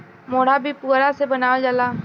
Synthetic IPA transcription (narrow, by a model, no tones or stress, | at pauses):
moːɽ̤abʱipuːɾasebənaːod͡ʒəlaː